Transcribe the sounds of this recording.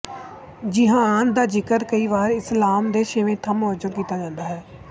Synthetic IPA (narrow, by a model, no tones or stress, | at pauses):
d͡ʒɪɦãːnd̪aːd͡ʒɪkət̪kəiːʋaːɾɪslaːmd̪eːʃəʋẽːt̪ʰːãːmʊəd͡ʒəɾkiːt̪aːd͡ʒãːnd̪aːɦɛː